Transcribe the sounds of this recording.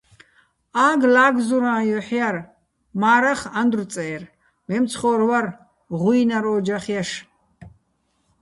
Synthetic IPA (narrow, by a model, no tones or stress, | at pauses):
aːɡlaːɡzuɾãːjɔħjar | maːɾaχand̪rt͡sʼɛːr | mɛmt͡sʰχɔːrwar | ʁujnaɾɔːd͡ʒaχjaʃ